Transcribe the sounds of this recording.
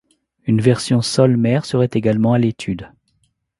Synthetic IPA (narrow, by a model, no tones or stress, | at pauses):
ynvɛʁsjɔ̃sɔlmɛʁsəʁɛt̪eɡalmɑ̃alet̪ʰyd̪